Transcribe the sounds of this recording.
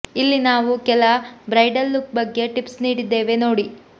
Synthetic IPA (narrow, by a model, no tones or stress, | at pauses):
ilːinaːʋukɛlɐbɾɐjɖɐlːukbɐɡːe̞ʈipsniːɽid̪ːe̞ːʋe̞no̞ːɽi